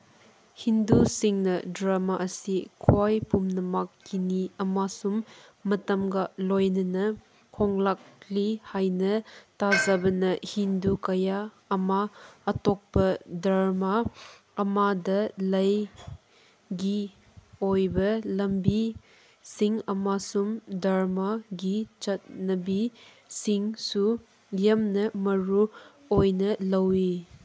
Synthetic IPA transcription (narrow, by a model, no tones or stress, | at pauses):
hindusiŋnɐdɾamaʔɐsikʰajpumnɐmakːiniɐmasumːɐtɐmɡalojnɐnɐ | kʰɔŋlak̚lihajnɐtazabɐnɐhindukɐjaː | maːtɔk̚pɐdɾamaː | madɐlɐj | ɡi | ojbɐlɐmbi | siŋɐmasumdaɾmaɡit͡ʃɐt̚nɐbi | siŋsu | jɐmnɐmɐɾu | ojnɐlɐwi